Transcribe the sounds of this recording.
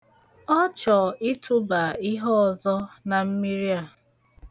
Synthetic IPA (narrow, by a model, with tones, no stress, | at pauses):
ɔ˦t͡ʃɔ˨ɪ˦tʰʊ˦ba˨ɪ˦ɦɔ˦˨zɔ˦na˨m̩˦mi˦ɾi˦a˨